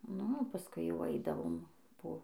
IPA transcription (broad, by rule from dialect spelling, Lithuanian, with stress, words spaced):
nʊ oː pɐˈskʊɪ jɛʊ ˈɐɪdɐʋoːm poː